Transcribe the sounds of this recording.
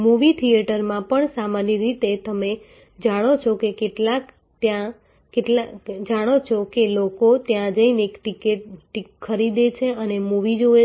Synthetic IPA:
muʋit̪ʰijeʈəɾmãpəɳsamanjəɾit̪et̪əme | d͡ʒaɽ̃ot͡ʃʰokekeʈlak | t̪jã | keʈlad͡ʒaɽ̃ot͡ʃʰokelokot̪jãd͡ʒəinekʈikeʈʈikʰːəɾid̪et͡ʃʰeənemuʋid͡ʒoe

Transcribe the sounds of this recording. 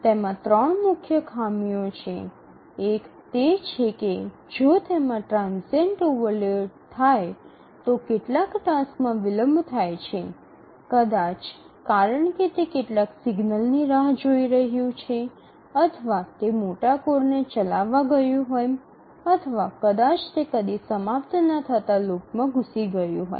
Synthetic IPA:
t̪emãt̪ɾəɳmʊkʰjəkʰamijot͡ʃʰeː | kt̪et͡ʃʰeke | d͡ʒot̪emãʈɾãnseɳʈuʋəlet̪ʰaj | t̪okeʈlakʈãsmãʋɪləmbʱt̪ʰajt͡ʃʰe | kəd̪at͡ʃ | kaɾəɳket̪ekeʈlaksɪɡnəlniɾaɦd͡ʒoiɾəɦjũt͡ʃʰe | ət̪ʰəʋat̪emoʈakoɾnet͡ʃəlaʋːaɡəjũɦoj | ət̪ʰəʋakəd̪at͡ʃt̪ekəd̪isəmapt̪nət̪ʰət̪alokmãɡʱusiɡəjũɦo̰j

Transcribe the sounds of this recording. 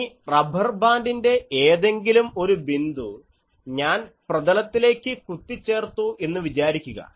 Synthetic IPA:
rɐbʱɐrbaːndinde̞eːðe̞ŋɡilumo̞ɾubind̪u | ɲaːnprɐd̪ɐlɐt̪ːile̞ːkʲːɨkut̪ːit͡ɕːe̞ːrt̪ue̞nːuʋit͡ɕaːɾikʲːuɣɐ̰

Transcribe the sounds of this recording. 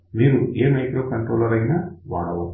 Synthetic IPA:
miːɾuʔeːmɐjkɾoːkɐɳʈɾoːlɐɾɐjnaːʋa̰ːɽɐw

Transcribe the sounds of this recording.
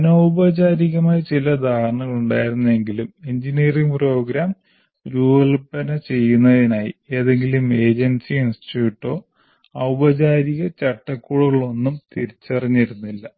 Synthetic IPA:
ɐnowbɐd͡ʑaːɾiɣɐmaːjɐt͡ɕilɐd̪ʱaːrɳɐɣɐɭuɳɖaːjiɾunːɐe̞ŋɡilumeɲd͡ʑiniɐriŋpro̞ːɡɾaːm | ɾuːɐlpɐnɐt͡ɕe̞jːunːɐðinaːjḭe̞ːðe̞ŋɡilume̞ːd͡ʑensiinsi̥ʈjuːʈːo̞ː | ɐwubɐd͡ʑaːɾiɣɐt͡ɕɐʈːɐkːuːɽuɣɐɭo̞nːumt̪iɾit͡ɕːɐrɐɲːiɾunːilːɐ

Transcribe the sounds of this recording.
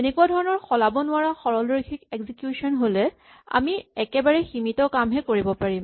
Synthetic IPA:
enɛkuadʱɔɹɔnɔɹxɔlabɔnʊaɹaxɔɹɔldoɹikʰikeɡzikjusɔnɦolɛ | a̰miɛkɛbaɹɛximitɔkamɦɛkoɹibɔpaɹim

